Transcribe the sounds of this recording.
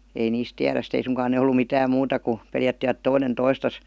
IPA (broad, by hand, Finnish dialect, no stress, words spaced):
ei niːs tiæræs ste ei suŋkɑːn ne olːu mitæːm muːtɑ ku peljætːiʋæt toinen toistɑs